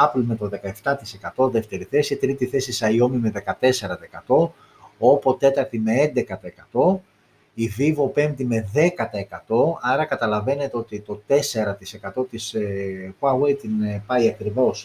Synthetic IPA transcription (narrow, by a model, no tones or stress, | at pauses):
ɐplume̞t̪o̞ðe̞kɐe̞ft̪ɐt̪ise̞kɐt̪o̞ðe̞ft̪e̞ɾiθe̞sit̪ɾit̪iθe̞sisɐio̞mime̞ðe̞kɐt̪e̞se̞ɾɐt̪ɐekɐt̪o̞ | opo̞t̪e̞t̪ɐɾt̪ime̞end̪e̞kɐt̪ɐekɐt̪o̞ | ivivo̞pe̞mt̪ime̞ðe̞kɐt̪ɐekɐt̪o̞ɐɾɐkɐt̪ɐlɐve̞ne̞t̪eo̞t̪it̪o̞t̪e̞se̞ɾɐt̪ise̞kɐt̪o̞t̪ispuɐwejt̪inpɐiɐkɾivo̞s